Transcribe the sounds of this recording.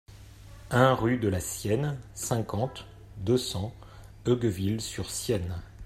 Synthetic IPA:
ɛ̃ʁyd̪əlasjɛnsɛ̃kɑ̃t̪ | d̪əsɑ̃ | œɡvilsyʁsjɛn

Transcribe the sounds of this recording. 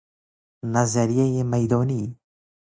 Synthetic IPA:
nazaɾijejemajd̪ɔːniː

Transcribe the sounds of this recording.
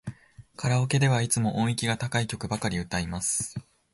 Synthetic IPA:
kʰaɾaoke̞d̪e̞β̞ait͡sɨmo̞ʔõɰ̃ikʲiɡat̪akaikʲo̞kɯ̟bakaɾʲiɯ̟t̪aimasɨ̥

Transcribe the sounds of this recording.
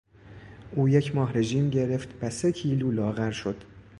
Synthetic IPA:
ʔuːje̞cʰmɒːɦɾe̞ʒiːmɟe̞ɾe̞ft̪væse̞cʰiːluːlɒːɣæɾʃo̞d̪̥

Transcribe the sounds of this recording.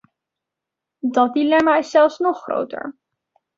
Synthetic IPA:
dɑt̚dilɛmaːɪsːɛlˠfsnɔχro̰wtə̰ɹ

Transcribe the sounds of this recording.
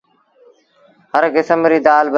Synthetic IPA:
həɾɡɪsəmɾiːd̪aːlb

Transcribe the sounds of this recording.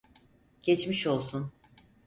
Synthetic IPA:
ɟ̥et͡ʃmiʃo̞lˠsun

